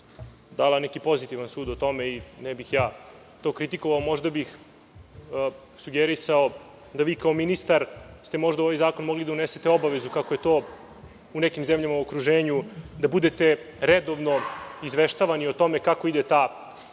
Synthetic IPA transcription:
d̪aːlanekipo̞zit̪iʋansuːd̪ot̪o̞meinɛbixjaː | t̪o̞ːkɾit̪iko̞ʋaomo̞ʒd̪abix | suɡeɾisao | d̪aʋiːkaominist̪aɾst̪e̞mo̞ʒd̪aoʋajzaːko̞nmo̞ɡlid̪auneset̪eo̞baʋe̞zukakoje̞t̪o̞ː | unekimzemʎamauokɾuʒeːɲud̪abud̪et̪e̞ | ɾed̪o̞ʋno̞izʋeʃt̪aʋanio̞t̪o̞mekako̞id̪et̪aː

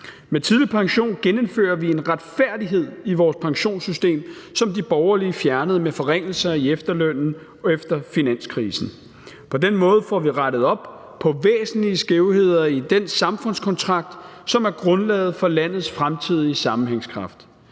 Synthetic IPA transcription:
met͡sʰiðˠlipʰɑ̈ŋɕo̝̰ːnɡ̥enəmfø̰ːɐʋie̝nʁad̥fæɐ̰d̥iɦe̝ð̰ˠiʋɒːspʰɑ̈ŋɕo̝̰ːnsysd̥e̝̰ːmsɒ̽md̥ib̥ɒʊɐliəfjæɐnəð̞̩ˠmefɒ̽ʁeŋ̰l̩sɐiefd̥ɐløn̰n̩ | efd̥ɐfinæn̰skʰʁiːsn̩ | pʰɒ̽denmɔ̽ːð̞̩ˠfɒʋiʁaɾ̥əð̞̩ˠɒ̽b̥ | pʰɒ̽ʋḛːsn̩liəsɡ̥eʊhe̝ð̞̰ˠɐid̥ensɑ̈mfɔ̽n̰skʰɒ̽nt͡sʰʁɑ̈ɡ̥̚d̥sɒ̽mæɐɡ̥ʁɔ̽nlɛ̰ːð̞̩ˠfɒ̽læn̰ð̩ˠsfʁamt͡sʰið̞̰ˠiəsɑ̈mn̩ɦeŋskʰʁɑ̈fd̥

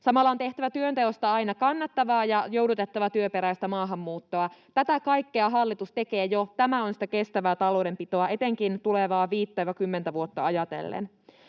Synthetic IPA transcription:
sɑmɑlːɑo̞nt̪e̞ht̪æʋæt̪yønt̪eost̪ɑɑinɑkɑnːɑt̪ːɑʋɑːjɑjowdut̪et̪ːɑʋɑt̪yøpeɾæjst̪æmɑːɦɑmːuːt̪ːo̞ɑt̪æt̪ækɑjkːeɑɦɑlːit̪ust̪ekeːjot̪æmæonsi̥t̪æke̞st̪æʋæːt̪ɑlo̞wdempit̪o̞ɑe̞t̪eŋkint̪uleʋɑːʋiːt̪ːæʋɑkymːent̪æʋuot̪ːɑɑjɑt̪e̞̰lːḛn

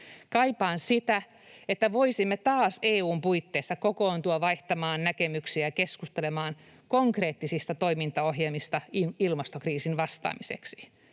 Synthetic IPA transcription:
kɑipɑːnsit̪æ | et̪ːæʋoisimːet̪ɑːseːuːmpuit̪ːeːsːɑkokoːnt̪uɑʋɑiht̪ɑmɑːnnækemyksiækeskust̪elemɑːn | koŋkreːt̪ːisist̪ɑt̪oimint̪ɑoɦjelmist̪ɑiilmɑst̪okriːsinʋɑst̪ɑ̰ːmisḛksi̥

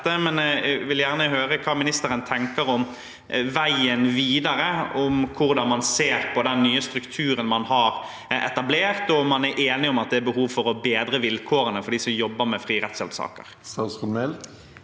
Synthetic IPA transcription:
əmɛnʋɪljæʁnəɦøːɾəkʰɑːmɪnɪst̪əɾənt̪ʰɛŋkəɾɔm | ʋæɪənʋiːd̪ɑɾəɔmkʰʊɾd̪ɑnmɑnseːɾpʰɔd̪ɛnːyːəst̪ɾʉkt̪ʰʉːɾənmɑnhɑɾ | ɛ̰t̪ɑbleːʁt̪ɔmɑnæɾʔeːnɪɔmɑt̪̚d̪ɛæɾbəɦuːʋfɔɾɔbeːd̪ɾəʋɪlkʰoːɾənəfɔɖ̪iːsɔmjɔbːəɾmɛfɾiːɾɛt̪sɛlt̪sɑ̰ːkə̰ɾsɑsʊmɛl

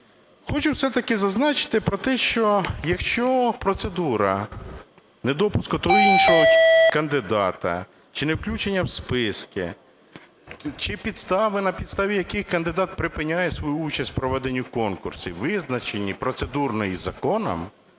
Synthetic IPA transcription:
xɔt͡ʃʊwsɛt̪ɐkɪzɐznɑt͡ʃɪ̥t̪ɪpɾɔt̪ɛʃt͡ʃɔjɐkʃt͡ʃɔpɾɔt̪se̞d̪uɾɐ | ned̪ɔpʊskʊt̪ɔɦɔinʃɔɦɔkɐnd̪ɪd̪ɑt̪ɐ̰ | t͡ʃɪnɛwklʲut͡ʃenʲːɐwspɪskɪ̰ | t͡ʃɪpʲid̪st̪ɑʋɪnɐpʲid̪st̪ɑʋʲijɐkɪxkɐnd̪ɪd̪ɑt̪̚pɾɪpɪnʲajɛsʋɔjuut͡ʃɐsʲtʲpɾɔʋɛd̪enʲːukɔnkʊrsʊʋɪznɐt͡ʃenʲːipɾɔt̪sed̪urnɔjizɐkɔnɐ̰m

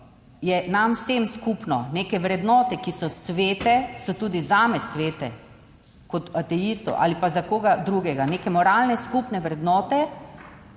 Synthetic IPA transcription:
jɛnamwsemskupnɔneːkɛʋɾɛd̪nɔːt̪ɛkisɔsʋeːt̪ɛsɔt̪uːd̪izaːmɛsʋeːt̪ɛ | kɔt̪at̪ɛist̪ɔ̰ʔa̰ːlipazakoːɡad̪ɾuːɡɛɡaneːkɛmɔɾaːlnɛskupnɛʋɾɛd̪nɔːt̪ɛ

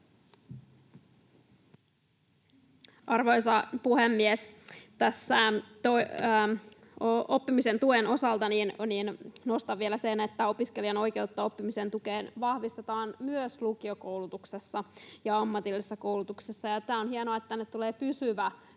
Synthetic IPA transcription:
ʔɑrʋo̞jsɑpuhemːiest̪æsːæt̪o | oopːimise̞nt̪ue̞no̞sɑlt̪ɑninniːnno̞st̪ɑʋːielæsenet̪ːæo̞piskeliɑno̞jke̞ut̪ːɑo̞pːimisent̪ukeːnʋɑhʋist̪et̪ɑːnmyøslukio̞ko̞wlut̪uksesːɑjɑɑmːɑt̪ilːisːɑko̞wlut̪uksesːɑjɑst̪æːonhienoɑet̪ːænet̪ːuleːpysyʋæ

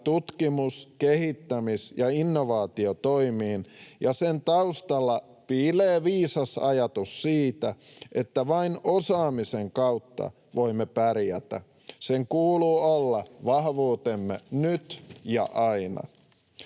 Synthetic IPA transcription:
t̪ut̪kimuskehit̪ːæmisjɑinːoʋɑːt̪iot̪oimiːnjɑsent̪ɑust̪ɑlːɑ | pileːʋiːsɑsɑ̰jɑt̪usːiːt̪æ | ʔet̪ːæʋɑinosɑːmiseŋkɑwt̪ːɑ̰ | ʋoimːepærjæt̪æ̰ | seŋkuːluːolːɑʋɑhʋuːt̪emːenyt̪jɑ̰ʔɑinɑ̰

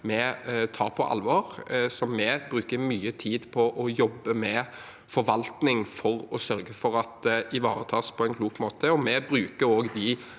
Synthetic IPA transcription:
mɛt̪ʰɑːɾpʰɔʔɑ̰lʋɑɾsɔmːɛbɾʉːkəɾmyːət̪ʰiːd̪pʰɔʔɔjɔbːəmɛ | fɔɾʋɑlt̪nɪŋfɔʁɔsœɾɡəfɔɾɑt̪ɪʋɑ̰ːɾət̪ʰɑːspʰɔɛɪnkʰluːkmoːt̪ʰəɔmɛbɾʉːkəɾoːɡd̪ɪ

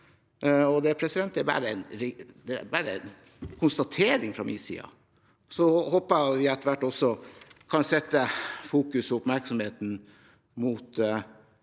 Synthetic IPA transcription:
ɔd̪ɛpʰɾɛsɪd̪ɛnt̪ːæɾbæ̰ːɾəɛnɾd̪ɛ̰bæɾəɛ̰n | kʰʊnst̪ɑt̪ʰeːɾɪŋfɾɑmḭːsḭːɑ̰ | sɔhoːpəʋɪɛt̪ːəʋæʈːɔsɔkʰɑnsɛt̪ːəfuːkʉsɔʊpmæɾksɔmheːt̪n̩ | muːt̪

